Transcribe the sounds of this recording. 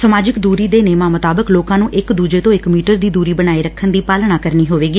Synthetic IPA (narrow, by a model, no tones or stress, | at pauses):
səmaːd͡ʒɪkd̪uːɾiːd̪eːneːmaːmʊt̪aːbəkloːkãːnũːʔɪkd̪uːd͡ʒeːt̪õːɪkmiːʈəɾd̪iːd̪uːɾiːbəñaːiːɾəkʰːənd̪iːpaːlɳaːkəɾniːɦoːʋeːɡiː